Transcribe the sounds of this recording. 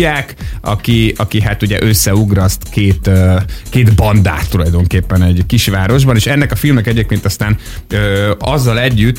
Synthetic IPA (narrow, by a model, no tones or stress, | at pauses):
aːkɒ̰kiɒkiɦat̪uɟɛ̰ʔø̞sːɛuɡɾɒst̪keːt̪økeːd̪bɒnd̪a̰ːt̪ːulɒjd̪o̞ŋkeːpːɛnɛɟkiʃʋaːɾo̞ʒbɒneːʃɛnːɛkɒfilmɛkɛɟeːp̚keːnt̪ɒst̪aːn | øːɒzːɒlɛɟːyt̪ː